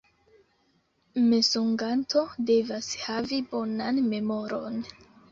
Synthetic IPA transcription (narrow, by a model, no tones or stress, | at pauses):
mesuŋɡantʰo̞de̞vashavibo̞nanme̞mo̞ɾo̞n